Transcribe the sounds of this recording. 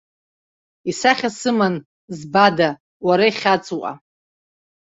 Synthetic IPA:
isaχʲasɨman | zbada | waɾaiχʲat͡sʼuwʔʼa̰

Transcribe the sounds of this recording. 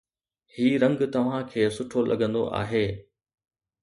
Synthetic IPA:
hiːɾɐ̃ŋɡt̪ɐʋ̤ãkʰeːsʊʈʰolʔɐ̰ɠə̃nd̪o̰ʔa̰ːɦeː

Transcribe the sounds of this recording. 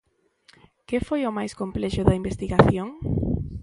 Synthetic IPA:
kɪfojʊmajskomplɛʃʊðɐimbest̪iɣaθjoŋ

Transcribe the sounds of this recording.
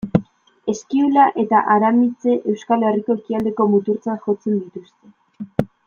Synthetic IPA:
e̞skiulaʔe̞t̪aʔaɾamit͡se̞ʔe̞wskale̞riko̞e̞kiald̪e̞ko̞mut̪uɾt͡saʝo̞t͡se̞nd̪it̪ust̪e̞

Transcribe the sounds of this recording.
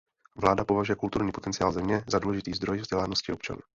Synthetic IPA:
vlaːdapo̞vaʒujɛkult̪uɾɲiːpo̞t̪ɛnt͡sɪaːlzɛmɲɛzaduːlɛʒɪt̪iːzd̪ɾo̞jvzɟɛlaːno̞scɪʔo̞p̚t͡ʃa̰nṵː

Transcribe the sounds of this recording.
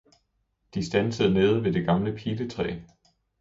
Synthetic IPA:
d̥isd̥ænsəð̞̩ˠne̝ːð̞̩ˠʋe̝d̥e̝ɡ̥ɑ̈mləpʰiːlət͡sʰʁɛ̰ː

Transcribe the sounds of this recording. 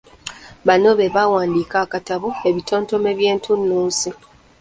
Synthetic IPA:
βano̞βe̞βawaːndiːkaːkataβue̞βitʰo̞ːnto̞meβje̞ːntʰunːuːsi

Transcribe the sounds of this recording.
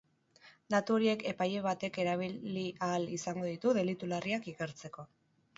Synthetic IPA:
d̪at̪uo̞ɾie̞ke̞paje̞β̞at̪e̞ke̞ɾaβ̞iiʔalisaŋɡo̞ðit̪uðe̞lit̪ulariakike̞ɾt͡se̞ko̞

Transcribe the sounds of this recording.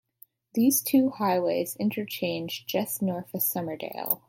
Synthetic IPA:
ðiz̥tʰʉhaɪweɪzɪ̃ntʰə˞t͡ʃʰẽɪ̃nd͡ʒd͡ʒɛsnɔɹfɨsʌmə˞dḛɪlˠ

